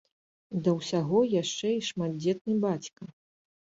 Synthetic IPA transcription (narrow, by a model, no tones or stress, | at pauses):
d̪ɐwsʲaɣɔjaʂt͡ʂɛiʂmad̪̚d͡zʲɛt̪̚nɨbat͡sʲkɐ